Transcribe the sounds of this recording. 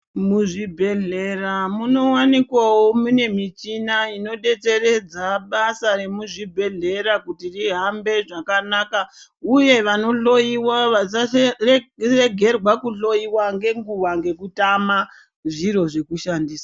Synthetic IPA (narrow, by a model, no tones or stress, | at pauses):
muʐibʱe̞ɮe̞ramuno̞wanikwawomune̞mit͡ʃinaino̞ɗe̞t͡se̞re̞d͡zaɓasaɾe̞muʐibʱe̞ɮe̞ɾakutiriɦambe̞ʐakanaːkauje̞ʋano̞ɮo̞iwaʋaarre̞ɡʱe̞rwakuɬo̞iwaŋɡe̞ŋɡuwaŋɡe̞kutama | ʐiɾo̞ʐe̞kuʃandiːsḁ